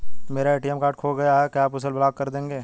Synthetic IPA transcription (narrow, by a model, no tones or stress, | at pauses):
meːɾaeːʈijɛmkaːɾʈkʰoːɡɐjaɦɛkaːpʊsəlblaːɡ̚kɐɾd̪ẽːŋɡeː